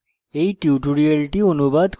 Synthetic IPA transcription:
ejʈiuʈuɾialʈionubad̪k

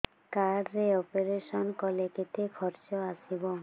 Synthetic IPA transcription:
kaɖɾeɔpeɾeʃɔnkɔlekit̪ʰekʰɔɾt͡ʃɔasibɔ

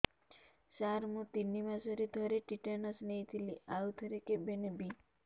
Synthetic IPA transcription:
saɾmũt̪inːimãsɔɾed̪ʱɔɾeʈiʈanɔsnejt̪ʰiliaut̪ʰɔɾekebenebi

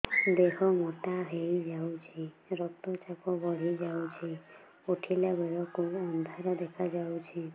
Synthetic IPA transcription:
d̪eɦɔmɔʈaɦejd͡ʒawt͡ʃʰi | ɾɔt̪ɔt͡ʃapɔbɔɾizawt͡ʃʰi | uʈʰilabɛɹɔkoɔnd̪ʱaɾɔd̪ɛkʰad͡ʒawt͡ʃʰi

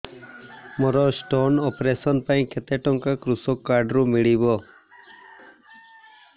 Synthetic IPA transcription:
mɔɾɔsʈonɔpɾesɔnpaĩket̪eʈɔŋkakɾusɔkːaɾɖɾumiɭibɔ

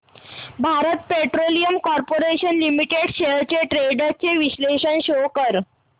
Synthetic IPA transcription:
bʱaɾət̪̚peʈɾolijəmkɔɾpoɾeɕənlimiʈeɽɕet͡ɕeʈɾeɖat͡ɕeʋiɕleɕənɕokəɾ

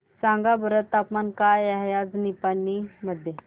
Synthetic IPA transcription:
sãŋɡabəɾət̪ːapmankajaɦjad͡znipanːiməd̪ʱːje

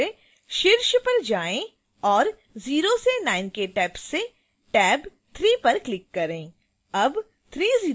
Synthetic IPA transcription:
e | ʃɪɾʃpɐɾd͡ʒaːẽ | ɔːɾ | ziːɾosenaːɪnkeʈɛːpsːe | ʈɛːb | t̪ʰɾiːpɐɾklɪkːɐɾẽː | ɐb | t̪ʰɾiːziː

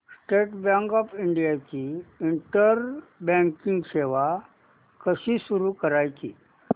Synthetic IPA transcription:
sʈeʈbãŋkɔfiɳɖijat͡ɕiːɳʈəɾbɛ̃ŋkiŋɡɕeʋa | kəɕiːsuɾukəɾajt͡ɕḭː

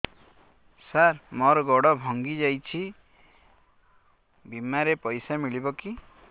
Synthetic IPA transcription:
saɾmɔɾɔɡɔɽɔbʱɔŋɡid͡ʒajt͡ʃʰi | bimaɾepɔjsamiɭibɔki

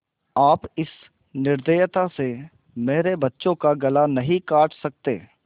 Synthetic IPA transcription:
aːpɪs | nɪɾd̪eːjt̪ase | meːɾebɐtːʃõkaɡɐlanɐɦĩkaːʈʰsɐk̚t̪ḛː

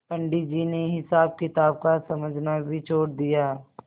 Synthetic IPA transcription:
pə̃ɳɖid͡ʒiːneɦɪsaːb̚kɪt̪aːb̚kasɐməd͡ʒʱnabʱit͡ʃʰoːɽd̪ijaː

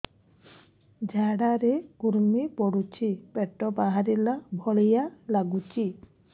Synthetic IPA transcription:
d͡ʒʱaɽaɾeɡuɾmipɔɽut͡ʃʰipeʈɔbaɦaɾilabʱɔɭijalaɡut͡ʃʰi

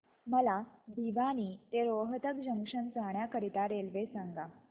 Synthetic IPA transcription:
məlad̪ʱiʋaniːt̪eɾoɦət̪ək̚d͡ʑəŋʂənt͡saɳjakəɾit̪aɾelʋesãŋɡa

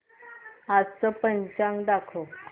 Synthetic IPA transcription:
ad͡zt͡səpəɲt͡ɕãŋɡd̪akʰo

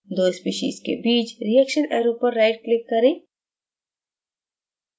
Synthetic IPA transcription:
d̪oːspiːʃḭːzkḛbiːt͡ʃɾijɛkʃənɛ̰ːɾopəɾːaɪʈ̚klɪkːɐɾeː

